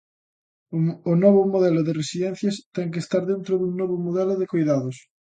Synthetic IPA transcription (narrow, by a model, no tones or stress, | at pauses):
onoβ̞omoð̞ɛloðeresiðɛn̟θjast̪ɛŋk̬est̪aɾðent̪ɾoðuŋnoβ̞omoðɛloðekojðaðos